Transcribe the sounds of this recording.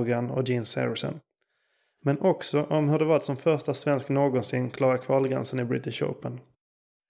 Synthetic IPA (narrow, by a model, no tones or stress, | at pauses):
ɡanɔ̰d͡ʒɪnsɛ̰ɾɪsɔ̰n | mɛnʔɔksɔʔɔmhɵɖɛvaɾt̪sɔmfœɾʂtasvɛnsknoːɡɔnsɪnːkʰlɑːɾakʰvɑːlɡɾɛ̰nsənɪbɾɪt̪ɪʂo̰pən